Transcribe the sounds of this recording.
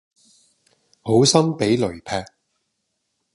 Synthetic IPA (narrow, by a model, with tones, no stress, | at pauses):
ho˨˥wsɐ˥mpe˨˥jlɵ˨˩ɥpʰɛː˧k̚